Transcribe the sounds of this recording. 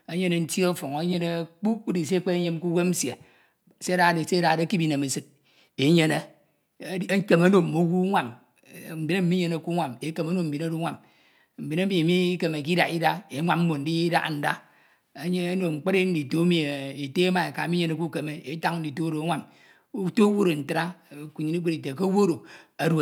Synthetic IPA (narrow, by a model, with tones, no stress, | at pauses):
e˦ɲe˦ne˨n̩˦ti˦o˦fo˨ŋo˨˦ɲe˦ne˦k͡pu˦k͡pu˦di˨s̬e˦k͡pe˦e˦ɲe˦m˦ku˦we˦m̩˦sje˨ | se˦a˦ɾa˨de˨se˦ɾa˨de˦ki˦bi˦ne˨me˨sɨ˦t̚ | e˨˦ɲe˦ne˦ | ke˨ma˦no˨mo˨˦wu˦ŋʷa˨m˨ | m̩˨bi˨ne˦m̩˦mi˦ɲe˨ne˨ku˦ŋʷa˨me˦ke˨mo˦no˦˨m̩˨bi˨no˦ɾo˦ŋʷa˨m | m̩˨bi˨na˦mi˨mi˦ke˨me˨k̬i˦da̰˨ki˦da˦e˨˦ŋʷa˦mm̩˦mo˨n̩˨˦di˦da̰˦˨n̩˨da̰˦ | a˨˦ɲe˦a˦no˨ŋ͡m̩˨k͡pe˦ɾe˦n̩˦di˨to˦mi˦˨e˨e˨te˦ma˨e˨ka˨mi˦ɲe˨ne˦ku˦ke˨me˦e˦ta˦ŋ˦n̩˦di˨to˦ɾo˨a˦ŋʷa˦m | u˦to˦wo˦ɾo˨n̩˨ta˨ɾa˦˨ku˨ɲi˨ni˦k͡pe˦ɾi˨te˨ko˦wo˦ɾo˨a˨ɾ